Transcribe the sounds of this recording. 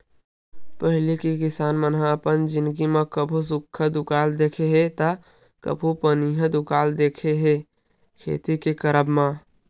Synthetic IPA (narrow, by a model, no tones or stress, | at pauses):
pəɦɪlikikisanmənɦaəpənd͡ʒɪnd̪ɡimekəbʱus̬ukʰːəd̪ukald̪ekʰeɦet̪ə | kə̰bʱupəniɦəd̪ukald̪ekʰeɦe | kʰḛt̪ikekəɾəbma